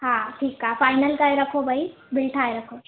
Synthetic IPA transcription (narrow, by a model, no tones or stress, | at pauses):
ɦãʈʰiːkːafajnəlkajɾɐkʰobʱəi | bɪlʈʰaːjɾɐkʰo